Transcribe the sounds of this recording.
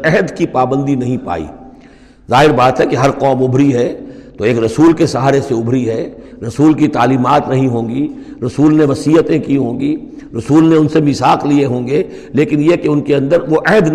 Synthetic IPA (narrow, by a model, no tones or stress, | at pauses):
ɛɦəd̪kipaːbə̃nd̪inɐɦĩpa̰ːḭː | zaːɦɪɾbaːt̪ɦɛkeɦɐɾqɔːmʊbʱɾiɦɛːt̪oeːkɾɐsuːlkesɐɦaːɾeseʊbʱɾiɦɛːɾɐsuːlkit̪aːliːmaːt̪nɐɦĩɦõːɡiɾɐsuːlneʋɐsiːət̪ẽkiɦõːŋɡi | ɾɐsuːlneʊnsemɪsaːqlieɦõːŋɡe | leːkɪnjekeʊnkeɐ̃nd̪əɾʋoʔɛɦəd̪